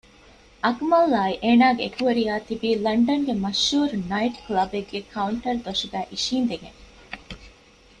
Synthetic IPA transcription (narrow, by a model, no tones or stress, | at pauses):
ʔɐkmɐlːaːiʔeːnaːɡeekuʋɐɾiaːt̪ibiːlɐɳɖɐŋɡemɐʃːuːɾunɐiʈklɐbeɡːekʰɐuɳʈɐɾd̪oʃuɡæːʔiʃiːnd̪eɡḛŋ